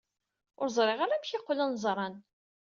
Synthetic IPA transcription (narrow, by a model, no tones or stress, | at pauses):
ʊɾzˤɾˤeʁaɾamçɪqːlənzˤɾˤɑn